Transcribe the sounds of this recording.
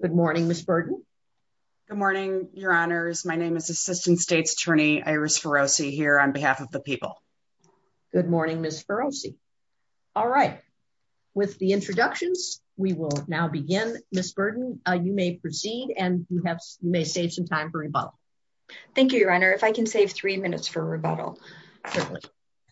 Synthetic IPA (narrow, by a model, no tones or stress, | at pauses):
ɡ̥ʊd̚mɔɹnɪ̃ŋmɪsb̥ɜ˞dⁿn̩ | ɡ̥ʊd̚mɔɹnɪ̃ŋjə˞ɑnə˞zmaɪnẽɪ̃mɨzɨsɪstn̩tsteɪtsə̥tʰɜ̃˞ɾ̃iʔa̰ɪɹɨsfə˞oʊsiɦiɹə̃nbɨɦæfʌvðəpʰipl̩ˠ | ɡ̥ʊd̚mɔɹnɪ̃ŋmɪsfə˞oʊsḭ | ɔlˠɹaɪt̚ | wɪðiɪ̃nt͡ʃɹ̥ɨdʌkʃɨ̃nz̥ | wiwɪlˠnaʊbɨɡɪ̃nmɪsb̥ɜ˞dⁿn̩jɨmeɪpʰɹ̥ɨsiɾɨ̃njɨɨv̥jɨmeɪseɪv̥sʌ̃mtʰãɪ̃ɱfə˞ɹibʌ̰ɾl̩ˠ | θæ̃ŋkjʉɹanə˞ɨfaɪkʰɨ̃nseɪv̥θɹimɪ̃nɨ̰tsfə˞ɹɨbʌ̰ɾl̩ˠ | kʰɪklḭ